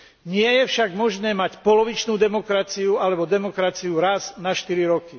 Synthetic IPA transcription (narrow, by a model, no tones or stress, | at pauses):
ɲɪɛjɛfʃaɡmɔʒnɛːmacpɔlɔʋit͡ʃnuːd̪ɛmɔkɾat͡siualɛbɔd̪ɛmɔkɾat͡siuɾaznaʃt̪iɾiɾɔki